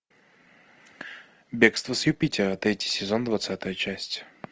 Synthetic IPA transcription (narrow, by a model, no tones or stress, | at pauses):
bʲekst̪vəsjʊpʲitʲɪɾət̪ʲetʲɪ̥sʲɪzo̞nd̪vɐt̪sat̪əjət͡ɕæsʲtʲ